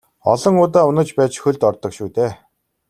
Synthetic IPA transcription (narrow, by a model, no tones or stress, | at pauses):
ɔ̰ɮɞ̆ŋʊːt̪aːʊnə̆t͡ɕpæːt͡ɕxɵɮt̪ɔrt̪ɞ̆kʃuːt̪eː